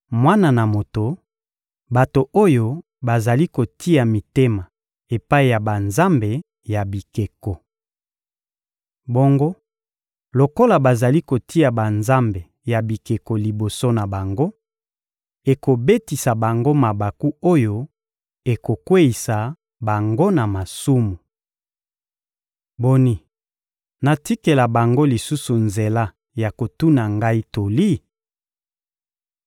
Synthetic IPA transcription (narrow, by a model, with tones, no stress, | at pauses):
mwa˦na˨na˨mo˨to˨ | ba˨to˨ʔo˦jo˦ | ba˨za˨li˦ko˨tʰi˦ja˨mi˨te˦ma˨ | e˨pa˦i˨ja˨ba˨nza˦mbe˨ | ja˨bi˨ke˨ko˨ | bo˦ŋɡo˦ | lo˨ko˦la˨ba˨za˨li˦ko˨tʰi˦a˨ba˨nza˦mbe˨ | ja˨bi˨ke˨ko˨li˨bo˨so˦na˨ba˨ŋɡo˦ | e˨ko˨be˦ti˨sa˨ba˨ŋɡo˦ma˨ba˨ku˦o˦jo˦ | e˨ko˨kwe˦i˨sa˨ | ba˨ŋɡo˦na˨ma˨su˦mu˨ | bo˨ni˨ | na˨ti˦ke˨la˨ba˨ŋɡo˦li˨su˦su˨nze˨la˦ | ja˨ko˨tu˦na˨ŋɡa˦i˦to˨li˦